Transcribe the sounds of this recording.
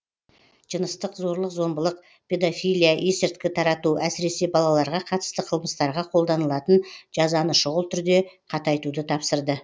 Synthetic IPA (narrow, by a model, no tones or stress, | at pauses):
ʒ̥ənəst̪əqzo̞ɾlˠəqzo̞mbəlˠəq̚ | pʰʲe̞d̪ofʲijlʲijaʔesɪɾt̪̚kʲɪt̪ʰɑɾɑt̪uʔæsɪɾe̞se̞bɑlˠɑlˠɑɾʁɑqʰɑt̪ə̥st̪əqʰəlˠməst̪ɑɾʁɑqʰo̞lˠd̪ɑnəlˠɑt̪ənʒ̥ɑzɑnəʃʊʁəlˠt̪ʰʏɾd̪e̞qʰɑt̪ɑjt̪ud̪ət̪ʰɑpsəɾd̪ə